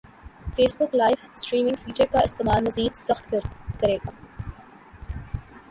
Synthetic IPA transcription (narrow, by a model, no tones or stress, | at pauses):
feːsbʊklaːɪfsʈɾiːmɪ̃ŋɡfiːt͡ʃəɾkaɪst̪eːmaːlmɐziːd̪sɐxt̪kɐkɐɾeːɡaː